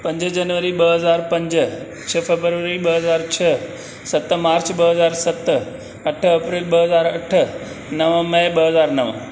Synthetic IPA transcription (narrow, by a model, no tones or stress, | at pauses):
pɐ̃ɲd͡ʑəd͡ʑɐnʋəɾiɓɐɦɐzaːɾpɐ̃ɲd͡ʑ | t͡ɕʰɐfebɾʋəɾiɓɐɦɐzaːɾt͡ɕʰɐ | sɐt̪maːɾt͡ɕɓɐɦɐzaːɾsɐt̪ | ɐʈʰɐpɾeːlɓɐɦɐzaːɾɐʈʰə | nɐʋə̃mɐ̃ɓɐɦɐzaːɾnɐʋə̰̃